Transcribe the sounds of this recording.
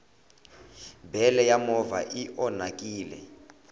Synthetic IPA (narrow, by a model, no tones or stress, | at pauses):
bʱɛlɛjamɔva̰ʔiʔɔnakʼiːlɛ̰